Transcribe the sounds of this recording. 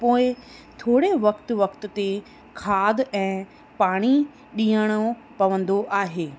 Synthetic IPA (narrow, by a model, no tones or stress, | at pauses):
poːɪt̪ʰoːɽeʋɐkt̪ʊʋɐkt̪ʊ̆t̪e | kʰaːd̪ʱɛ̃ː | paːɽ̃i | ɗĩːəɽ̃o | pɐʋə̃nd̪oʔaːɦeː